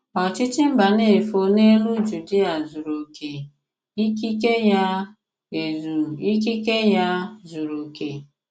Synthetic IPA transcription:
ɔ˨t͡ʃɪ˦t͡ʃɪ˦m̩˦ba˨ne˦˨fo˦ne˦lu˦d͡ʒu˨di˦a˨zu˨ɾo˨ke˨ | i˦ki˦ke˦ja˦ | e˨zu˨i˦k̬i˦ke˦ja˦zu˨ɾo˨ke˨

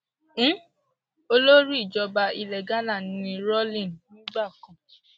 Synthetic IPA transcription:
n̩˦ | o˧lo˦ɾi˦i˦˨d͡ʒɔ˧ba˧i˧lɛ˨ɡa˦la˦˨nĩ˨˦nĩ˧ɾɔ˦lĩ˦˨nnĩ˦ɡ͡ba˦˨kɔ̃˨

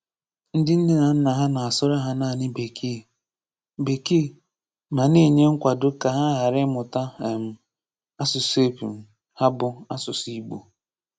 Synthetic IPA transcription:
n̩˦dɪ˦n̩˦dɪ˦na˨n̩˦na˨ɦa˦na˨a˨sʊ˦ɾa˦ɦa˦naː˦˨nɪ˦be˨kʰi˦˨ | be˨ki˦˨ | ma˨ni˦˨ɲe˦ŋ̩˦kʷa˨dʊ˦ka˨ɦa˦ɦa˨ɾɪ˦mʊ˨ta˦˨m̩˨ | a˦sʊ˨se˦pu˨m̩˨ | ha˦bʊ˦a˦sʊ˨si˦ɡ͡bṵ˨

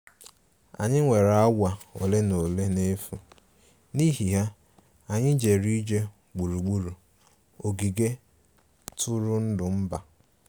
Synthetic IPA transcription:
a̰˨ɲɪ˦ŋʷe˨ɾa˦ɡʷa˨o˨le˦no˨le˦ne˦fu˨ | ni˦ɦi˨ɦa˦ | a˨ɲɪ˦d͡ʒe˨ɾi˦d͡ʒe˦ | ɡ͡bu˨ɾu˨ɡ͡bu˦ɾu˨ | o˨ɡi˨ɡe˦ | tʰʊ˦ɾʊ˦n̩˦dʊ˨m̩˦ba˨

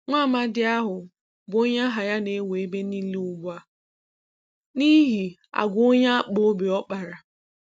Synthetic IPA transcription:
ŋʷa˦˨ma˦dɪ˨a˦ɦʊ˨ | bo˦ɲa˦ɦa˨ja˦ne˨˦we˨e˦be˦ni˦li˦ʊ˨ɡ͡bʷa˦ | ni˦ɦi˨ | a̰˨ɡʷʊ˨˦o˦ɲa˦a˦k͡po˦be˨ɔ˦k͡pa˨ɾa˨

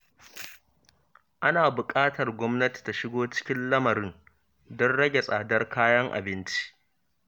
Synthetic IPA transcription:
ʔa˦naː˨bʊ˨kʼaː˦tɐ˨rɡʷɔ˦mnɐ˦ti̥˨ta˨ʃɪ˦ɡoː˦t͡ʃɪ̥˦kʲɪ˦nlɐ˦mɐ˨ɾɪ˦n | dɔ˦nɽɐ˦ɡʲe˨sʼaː˨dɐ˦rkʰaː˦jɐ˦ŋʔa̰˨bɪ˦nt͡ʃi̥˦ʔ

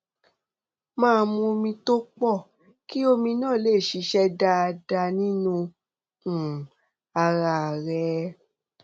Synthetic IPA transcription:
mãː˦˧mũ˧mĩ˧to˦k͡pɔ˦˨ | ki˦o˧mĩ˧nãː˦˨le˦˨ʃi˨˧˦ʃɛ˦da˦a˧da˧nĩ˦nũ˧ | ũ˨ | a˧ɾa˧˨ɾɛ˨˧˦

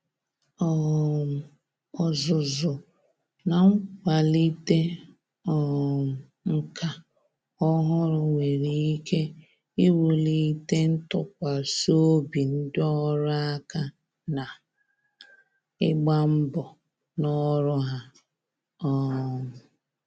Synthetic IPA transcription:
ɔ˦˨ | ɔ˨zʊ˨zʊ˨ | na˨ŋ̩˦kʷa˨li˦te˦ | ɔ˦˨ | ŋ̩˦kʰa˨ | ɔ˦ɦʊ˦ɾʊ˦ŋʷe˨ɾi˨i˦kʰe˦ | i˦wu˨li˨i˦te˦n̩˦tʊ˦k̚ʷa˨so˦o˦bi˨n̩˦dɪ˦ɔ˦ɾʊ˦a˦ka˦ | na˨ | ɪ˦ɡ͡ba˦m̩˦bɔ˨ | nɔ˦ɾʊ˦ɦa˦ | ɔ˦˨

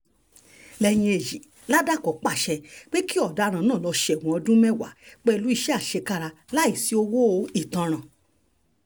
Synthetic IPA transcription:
lɛ˧j̃ĩ˧e˨ji˨ | la˦da˦˨kɔ˨˦k͡pa˦˨ʃɛ˧k͡pe˦ki˦ɔ˦˨da˨˧˦ɾ̃ã˨nãː˦˨lɔ˧ʃe˨w̃ɔ̃˨˧ɔ˧dũ˦mɛ̃˦˨wa̰˨k͡pɛ˦˧lu˨˦i˦˧ʃɛ˦a˦˨ʃe˧ka˦ɾa˧ | la˦i˦˨si˨˦o˧wo˦˨˧i˦˨tã˧ɾ̃ã˨

